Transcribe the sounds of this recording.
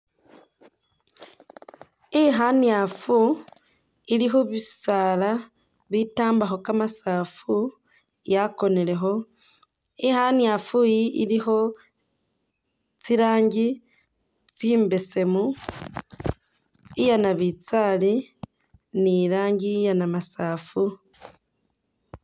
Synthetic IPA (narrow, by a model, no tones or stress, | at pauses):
iɦanjafu | ilixuβisala | βitaːmbaxo̞kamasafu | jako̞ne̞le̞xo̞ | ixanjafujiʔḭlixo̞ | t͡siɾaːɲɟi | t͡siːmbe̞se̞mu | ijanaβit͡sali | niɾaːɲɟijanamasaːfu